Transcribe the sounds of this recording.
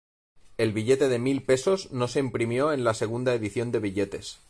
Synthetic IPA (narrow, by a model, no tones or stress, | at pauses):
e̞lβiʝe̞t̪e̞ðe̞milpe̞so̞zno̞se̞impɾimjo̞e̞nlase̞ɣ̞und̪aeðiθjo̞nd̪e̞β̞iʎe̞t̪e̞s